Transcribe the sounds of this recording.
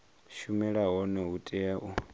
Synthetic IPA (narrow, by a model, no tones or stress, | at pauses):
ʃumɛɺaɦɔnɔɦutʼɛjaʔu